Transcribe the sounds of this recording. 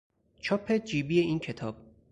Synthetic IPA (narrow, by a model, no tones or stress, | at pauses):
t͡ʃʰopʰːe̞d͡ʒiːbiːeʔiːncʰet̪ʰɒːb̥̚